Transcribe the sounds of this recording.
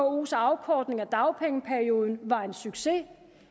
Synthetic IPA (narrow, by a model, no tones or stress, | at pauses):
ɒosɑ̈ʊkʰɒːd̥ne̝ŋæd̥ɑ̈ʊpʰeŋəpʰæɐio̝ːð̞ˠn̩ʋɑ̈e̝nsyɡ̥se̝